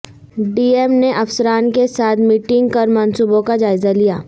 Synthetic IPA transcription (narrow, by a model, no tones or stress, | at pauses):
ɖiːemneʔɐfsəɾaːnkesaːt̪ʰmiːʈɪ̃ŋɡpɐɾmɐ̃nsuːbõkad͡ʒaːɪzalijaː